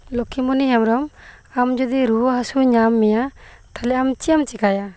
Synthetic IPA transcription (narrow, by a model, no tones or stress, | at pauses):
lɔkʰimɔniɦɛmɾɔm | amd͡ʒɔd̪iɾuwɔɦasuɲamːɛjat̪ʰalɛamt͡ʃijamt͡ʃikaja